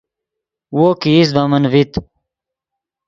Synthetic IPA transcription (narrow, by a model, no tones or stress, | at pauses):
woːkiːs̬bamɐnvit̪